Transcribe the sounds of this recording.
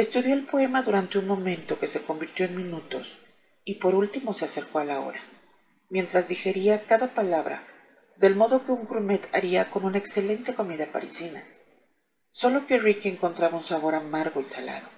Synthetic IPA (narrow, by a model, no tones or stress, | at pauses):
e̞st̪uðjo̞elpo̞e̞maðuɾant̪e̞unmõ̞mẽ̞nt̪o̞ke̞se̞ko̞mbiɾt̪jo̞enmĩnut̪o̞s | ipo̞ɾult̪imo̞se̞ase̞ɾko̞alao̞̰ɾa | mje̞nt̪ɾazðixe̞ɾiakaðapalaβɾa̰ | ðe̞lmo̞ðoke̞uŋɡɾume̞t̪ʰa̰ɾiako̞nũnaekse̞le̞nt̪e̞ko̞miðapa̰ɾisina | so̞lo̞ke̞rikieŋko̞nt̪ɾaβaunsaβo̞ɾamaɾɣo̞isala̰ðo̞